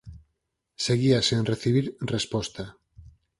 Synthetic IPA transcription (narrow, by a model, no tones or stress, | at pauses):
seɣiasĩnreθiβ̞iɾrespɔst̪a